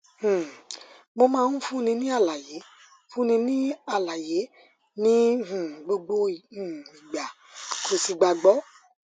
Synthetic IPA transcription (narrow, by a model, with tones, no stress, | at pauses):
h̩˨ | mo˧mãː˧˦n̩˦fũ˦nĩ˧nĩ˦a˦˨la˨je˨˦ | fũ˦nĩ˧nĩ˦a˦˨la˨je˨˦ | nĩ˦ɦũ˨ɡ͡bo˧ɡ͡bo˧˨ũ˨i˨ɡ͡ba˨ | kʰo˨si˧ɡ͡ba˧ɡ͡bɔ˨˦